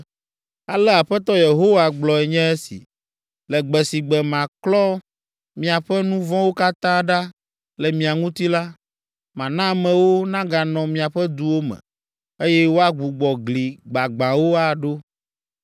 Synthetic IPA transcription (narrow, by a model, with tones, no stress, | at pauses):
a˨lɛ˦a˨ɸɛ˦t̪ɔ˦je˨ɦo˦wa˨ɡ͡blɔ˨ɛ˨ɲɛ̃˦ɛ˦sḭ˨ | lɛ˨ɡ͡bɛ˨si˨ɡ͡bɛ˨mã˨klɔ˦ | mĩ˨a˨ɸɛ˦nũ˦vɔ̃˦wo˦ka˦t̪ã˦ɖa˦ | lɛ˨mĩ˨a˨ŋũ˦t̪i˦la˦ | mã˨nã˦˨mɛ̃˨wo˦nã˦ɡa˨nɔ̃˨mĩ˨a˨ɸɛ˦d̪u˦wo˦mɛ̰̃˨ | e˦jɛ˦wo˦a˦ɡ͡bu˨ɡ͡bɔ˨ɡli˨ɡ͡ba˨ɡ͡bã˨wo˦a˨ɖo˦